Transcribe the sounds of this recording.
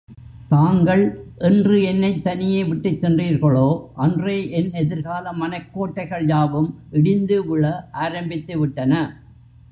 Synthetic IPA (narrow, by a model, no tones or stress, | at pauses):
t̪aːŋɡɐɭʔɛndrɯɛnːɐɪt̪ːɐnɪjeːʋɪʈːɯt͡ʃsɛndriːɾɣɐɭoːʔɐndreːʔɛnɛðɪɾɣaːlɐmːɐnɐɪkːoːʈːɐɪɣɐɭjaːʋɯmʔɛɽɪnd̪ɯʋɯɭɐʔaːɾɐmbɪt̪ːɯʋɪʈːɐnɐ